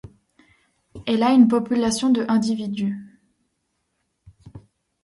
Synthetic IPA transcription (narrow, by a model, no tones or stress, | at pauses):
ɛlaynp̬ɔpylasjɔ̃d̪əʔɛ̃d̪ivid̪y